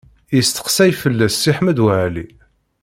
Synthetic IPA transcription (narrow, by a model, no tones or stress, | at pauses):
jəst̪ə̥qsæjfəlːæsːiħmæd̪wæʕli